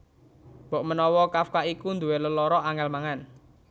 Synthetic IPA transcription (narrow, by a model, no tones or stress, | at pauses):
b̥ɔ̤ʔmənɔwɔkafkaʔikund̪uweləlɔɾɔʔaŋɛlmaŋan